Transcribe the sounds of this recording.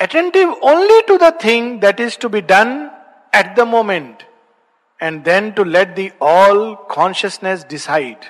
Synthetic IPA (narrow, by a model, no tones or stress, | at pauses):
əʈɛ̃ɳʈɪʋõːnliʈud̪ət̪ʰɪ̃ŋd̪æʈɪzʈubiɖʌ̃n | ɛʈ̚d̪əmõːmẽɳʈ | ɛ̃ɳɖd̪ɛ̃nʈulɛʈ̚d̪iɔːlkʰɔ̃ːnʃəsnesɖɪsaɪɖ